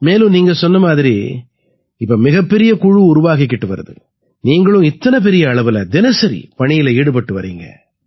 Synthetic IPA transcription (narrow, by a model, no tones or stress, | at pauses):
meːlɯ̃niːŋɡɐsɔnːɐmaːðɪɾi | ɪpːɐmɪɣɐpːɛɾɪjɐkʊɻʊɾʊʋaːɣɪk̬ːɪʈːɯʋɐɾɐ̰ðɯ̰ | niːŋɡɐɭɯ̃ɪt̪ːɐnɐp̬ɛɾɪjɐːɭɐʋɯlɐd̪ɪnɐsɐɾḭpɐɳɪjɪlɐeːɽɯp̬ɐʈːɯʋɐɾḭːŋɡɐ̰